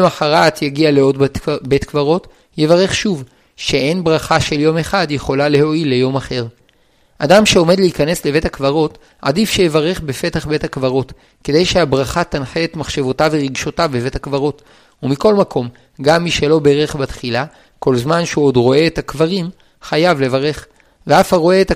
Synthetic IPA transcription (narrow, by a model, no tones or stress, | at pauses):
maħaʁat̪jaɡialeo̞dbe̞tkvaʁo̞t | jevaʁe̞χʃuv | ʃe̞ʔenbʁaχaʃe̞ljo̞me̞χadjeχo̞lale̞ho̞ilːe̞jo̞maχe̞ʁ | ʔadamʃe̞o̞me̞d̪leikane̞sle̞ve̞thakvaʁo̞t | ʕa̰difʃejevaʁe̞χbe̞fe̞taχbe̞thakvaʁo̞t | ke̞d̪e̞jʃeabʁaχat̪anħeːt̪maχʃe̞vo̞taveʁiɡʃo̞tavbeve̞thakvaʁo̞t | umiko̞lmakʰo̞m | ɡamːiʃe̞lo̞be̞ʁeχbat̪χila | ko̞lzmanʃeuodʁo̞e̞ːtakvaʁim | χajavle̞vaʁe̞χ | veafaʁo̞eːta